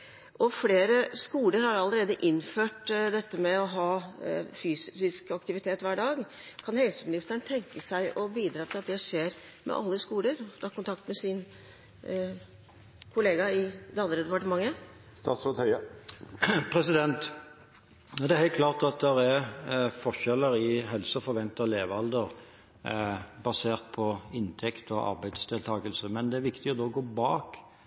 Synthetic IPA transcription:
ʔɔfleːɾəskuːləɾhɑɾɑlːəɾeːd̪əʔɪnføːʈd̪ɛt̪ːəmɛɔɦɑːfyːssɪskɑkt̪ɪʋɪt̪ʰeːt̪ʋæːɖɑːɡ | kʰɑnhɛlsəmɪnɪst̪əɳt̪ʰɛŋkəsæɪʔɔbiːd̪ɾɑːt̪ʰɪlɑt̪d̪ɛʂeːɾ | mʔɛ̰ʔɑ̰lːəskuːləɾɔt̪ʰɑːkʊnt̪ʰɑk̚t̪mɛsɪn | kʰʊleːɡɑɪd̪ɛɑnd̪ɾəd̪ɛpɑʈəmɑŋːə | st̪ɑːt̪sɾət̪hœʏɑ | pʰɾɛsɪd̪ɛnt̪ | d̪ɛæɾhɛɪkʰlɑːʁt̪ɑt̪̚d̪ɛɾæʁfɔʁʃɛləɾɪɦɛlsəfɔɾʋɛnt̪ɑleːʋɑld̪əʁ | bɑseːʁt̪̚pʰɔɪnt̪ʰɛkt̪ɔʔɑ̰ʁbæɪd̪sd̪ɪlt̪ʰɑːɡəlsəmɛnd̪ɛæɾʋɪkt̪ɪɔd̪oːɔɡoːbɑːk

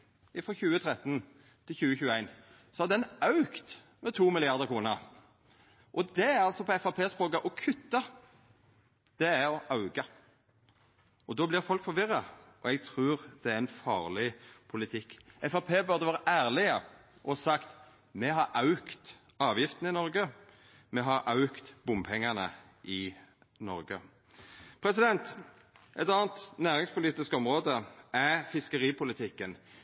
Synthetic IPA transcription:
ɪfʁɔçʉːət̪ʰʁɛt̪ːn | t̪ʰɪlçʉːəçʉːəæɪn | sɔhɑd̪ɛnɑʉkt̪ | mɛt̪ʰuːmɪlɪɑʁd̪əʁkʰʁuːnəʁ | ʔɔd̪ɛæʁɑlsɔpʰɔɛfɑpʰeːspʁoːkɑʔɔkʰʉt̪ːɑ | d̪̥ɛæɾɔʔɑʉɡɑ | ɔd̪oːblɪʁfɔlkfɔɾʋɪʁːɑʔɔɛɡ̚t̪ʰʁʉːʁd̪̥ɛæɾɛnfɑ̰ːʁlɪpʰʊlɪt̪ʰɪkːɛfɑpʰeːbʉʁd̪əʋɑːʁəʔæːʁlɪəʔɔsɑkt̪ | mɛɦɑɾʔɑʉkt̪ | ɑːʋjɪft̪ənəɪnɔɾɡə | mɛɦɑɾɑʉkt̪b̥ʊmpʰɛŋːɑnə | ʔɪ | nɔ̰ɾɡə | pʰɾɛsɪd̪ɛnt̪ | ʔɛt̪ɑːnt̪næːʁɪŋspʰʊliːt̪ɪskɔmʁoːd̪əʔæfɪskəʁiːpʰʊlɪt̪ʰɪkːən

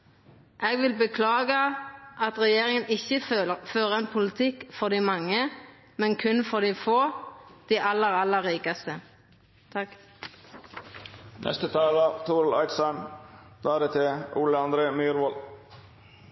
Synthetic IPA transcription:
ʔeːɡʋɪlbəkʰlɑːɡəʔɑt̪ʁɛjeːʁɪŋənɪçəføːʁəɛnpʰʊlɪt̪ʰɪkːfɔʁd̪iːmɑŋːə | mɛnkʰʉnfɔʁd̪iːfoːd̪̥iːʔɑlːəʁɑlːəʁiːkɑst̪ə | t̪ʰɑk | nʔɛ̰st̪ət̪ʰɑːlɑt̪ʰuːɾl̩ɑ̰ɪt̪sɑnd̪̥ɑːæːd̪eːt̪ʰɪʔuːləɑnd̪ɾeːmyːɾʋol

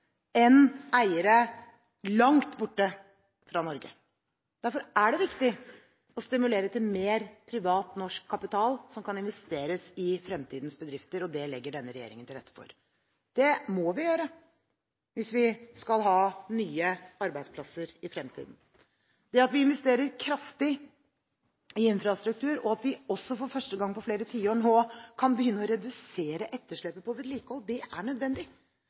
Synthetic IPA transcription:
ɛnæɪəɾə | lɑŋt̪bʊʈːə | fɾɑnɔɾɡə̰ | d̪̥æɾfɔɾʔæɖɛʋɪkt̪ɪ | ɔst̪ɪmʉleːɾət̪ɪlmeːɾpʰɾɪʋɑːt̪nɔʂkʰːɑpɪt̪ʰɑːlsɔmkʰɑnɪnʋɛst̪eːɾəsɪfɾɛmt̪ʰiːd̪nsbəd̪ɾɪft̪əɾɔd̪ɛlɛɡːəɖɛnːəɾɛjḛːɾɪ̰ŋənt̪ɪlɾɛt̪ːə̥fɔ̰ɾ | d̪̥ɛmɔʋɪjøːɾə | ʋɪsʋɪskɑlɦɑːnyːəɑɾbæɪd̪spʰlɑsəɾɪfɾɛmt̪ʰḭːd̪n̩ | d̪̥ɛɑt̪ʋɪɪnʋɛst̪eːɾəɾkʰɾɑft̪ɪ | ɪɪnfɾɑst̪ɾʉk̚t̪ʰʉːɾɔɑt̪ʋɪɔsːɔfɔɾfœʂʈəɡɑŋːpɔfleːɾət̪ʰiːoːɳɦoːkʰɑnbəjʏnːəɔɾɛd̪ʉseːɾəʔɛt̪ːəʂɭɛpːəpʰɔʋɛd̪liːkəhɔlːd̪ɛʔæɳœd̪ʋɛnd̪ɪ

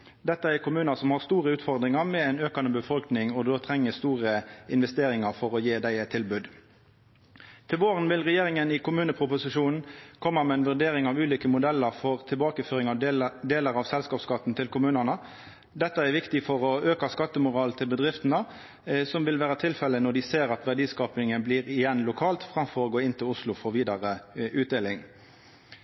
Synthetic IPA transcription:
d̪ɛt̪ːəɛɾkʊmʉːnəsɔmhɑʁst̪uːʁəʉːt̪fɔʁd̪ʁɪŋɑʁmɛɛɪnøːkɑnəbəfɔlknɪŋɔd̪oːt̪ʰʁɛŋːəst̪uːʁəɪnʋɛst̪eːɾɪŋɑʁfɔʁɔjeːd̪æɪt̪ʰɪlbʉːd̪ | t̪ʰɪlʋoːʁənʋɪlʁɛjeːʁɪŋənɪkʰʊmʉːnəpʰʁʊpʊsɪʃuːnn̩kʰɔmːəmɛæɪnʋʉʁd̪eːɾɪŋɑʋʉːliːkəmʊd̪ɛlːəʁfɔʁt̪ʰɪlbɑːkəføːɾɪŋɑd̪eːləɾɑʋsɛlskɑːpskɑt̪ːn̩t̪ʰɪlkʊmʉːnənə | d̪ɛt̪ːəæɾʋɪkt̪ɪfɔʁɔøːkɑskɑt̪ːəmʊʁɑːlt̪ʰɪlbəd̪ʁɪft̪ənə | sɔmʋɪlʋæːʁət̪ʰɪlfɛlːənɔɖɪseːʁɑt̪ʋæʁɖiːskɑːpnɪŋəbliːʁɪjɛnlʊkʰɑːlt̪fʁɑmfɔɾoːɡoːɪnt̪ʰɪlʊslʊfɔʁʋiːd̪ɑʁəʉːt̪d̪eːlɪŋ

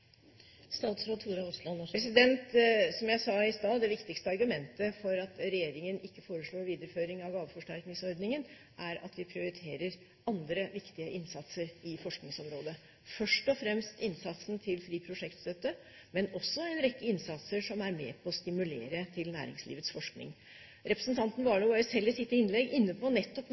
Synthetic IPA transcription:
st̪ɑːt̪sɾoːuːɾɑɔslɑnpɾɛsɪd̪ɛnt̪sɔmjæɪsɑːɪst̪ɑːd̪ɛʋɪkt̪ɪkst̪əɑɾɡʉmɛnt̪əfɔɾɑt̪ɾɛjeːɾɪŋənɪkːəfoːɾəʂɭoːɾʋiːd̪əɾəføːɾɪŋɑʋɡɑːʋəfɔʂʈæɾknɪŋsɔɾd̪nɪŋən | ʔæɾɑ̰t̪ʋɪpʰɾɪʊɾɪt̪ʰeːɾəɾ | ɑnd̪ɾəʋɪkt̪ɪəʔɪnsɑt̪səɾɪfɔʂknɪŋsɔmɾoːd̪ə | fœʂʈɔfɾɛmst̪ɪnsɑt̪sn̩t̪ʰɪlfɾiːpʰɾʊʂɛkt̪st̪œt̪ːə | mɛnɔsːɔɛnɾɛkːəɪnsɑt̪səʂɔmæɾmḛːpʰɔːst̪ɪmʉlḛːɾət̪ʰɪlnæ̰ːɾɪ̰ŋslḭːʋət̪sfɔʂknɪ̰ŋ | ɾɛpɾəsnt̪ʰɑnt̪n̩ʋɑːɭobɑɾəsɛlːɪsɪt̪ːəɪnlɛɡɪnːəpʰɔnɛt̪ːɔp

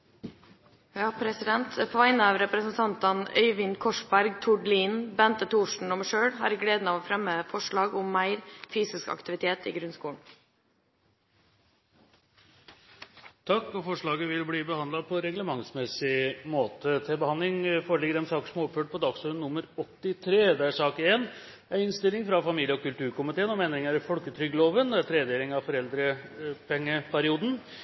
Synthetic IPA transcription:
jɑːpʰɾɛsɪd̪ɛnt̪fʰʋæɪnəɑːʋɾɛpɾəsənt̪ʰɑnt̪ɑnœ̰ʏʋɪnkʰɔʂbæɾɡt̪ʰʊɖliːnbɛnt̪ət̪ʰuːʂɳ̩ɔmʂøːɽɦɑ̰ːɾɪɡleːd̪n̩ɑːʋoːfɾɛmːəfɔʂɭɑːɡɔmːæɪɾfyːsɪskɑ̰kt̪ɪʋɪt̪ʰeːt̪ḭːɡɾʉnskuːɳ | t̪ʰɑkːɔfɔʂɭɑːɡəʋɪlbliːbəhɑnɑpʰɔɾɛɡləmɑŋsmɛsɪmoːt̪ət̪ʰɪlbəhɑnlɪŋfoːɾəɭɪɡəɾɛmsɑːkə̥ʂɔmoɔpføːʈ̚pʰɔd̪ɑɡsɔːɾənːʊmːəɾɔt̪ːɪt̪ʰɾeːd̪ɛæʂɑːkəeːn | æɪɪnst̪ɪlːɪŋfɾɑfɑmiːljəɔkʉlʈ̪ʉːɾkʊmɪt̪eːənɔmɛnd̪ɾɪŋəɾfɔlkət̪ʰɾʏɡəloːʋənd̪ɛæɾt̪ʰɾeːd̪eːɾɪŋɑʋfɔɾɛld̪ɾəpʰɛŋːəpʰæɾɪuːd̪n̩

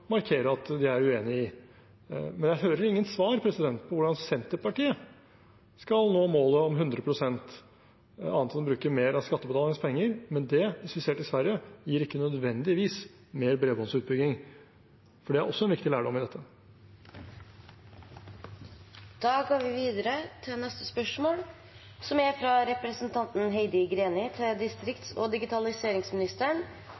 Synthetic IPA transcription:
mɑɾkʰeːɾəɾɑt̪d̪ɪæɾʉeːnɪɪ | mɛnjæɪɦøːɾəɾɪŋːənsʋɑːɾpʰɾɛsɪd̪ɛnt̪pʰɔʋʊɖɑnsɛnt̪əɾpɑʈiːə | skɑlnoːmoːləɔmɦʉnd̪ɾəpʰɾʊsɛnt̪ | ɑ̰ːnʰɑbɾʉːkəmeːɾɑskɑt̪ːəbət̪ɑːləŋəspʰɛŋːəɾmɛnd̪ɛɪsfɪseːʈɪsʋæɾjəjiːɾɪkːənœd̪ʋɛnd̪ɪʋiːs | meːɾbɾeːbɔnsʉːt̪̚bʏɡ̪ɪŋ | fɔɖɛæɾʔɔsːɔɛnʋɪkt̪ɪlæːɖɔmɪd̪ɛt̪ːə | d̪̥ɑːɡɑːɾʋɪʋiːd̪əɾət̪ʰɪnɛst̪ə̥spœʂmoːl | sɔmjæfɾɑɾɛpɾəsənt̪ʰɑnt̪n̩ɦeɪd̪ɪɡɾeːnɪt̪ʰɪld̪ɪst̪ɾɪkt̪so̰ːd̪ɪɡɪt̪ʰɑlɪseːɾɪŋsmɪnɪst̪əɳ

